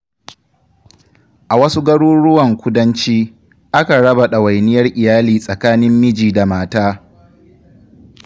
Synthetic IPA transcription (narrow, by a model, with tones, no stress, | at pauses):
ʔa˨wɐ˦su˦ɡɐ˦ɽuː˦ɽʊ˦wɐ˨ŋkʷʊ˦dɐ˦nt͡ʃiː˦ | ʔa˦ka˨ɽɐ˦ba˨ɗa˨wa˨jnɪ˦jɐ˦rʔɪ˨jaː˦liː˨sʼɐ˨kaː˦nɪ˦mːɪ˦d͡ʒiː˨da˨maː˦taː˦